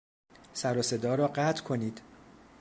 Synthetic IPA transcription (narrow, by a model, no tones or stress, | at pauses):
sæɾɒse̞d̪ɒːɾɒːɢæt̪ʰkʰo̞niːd̪̥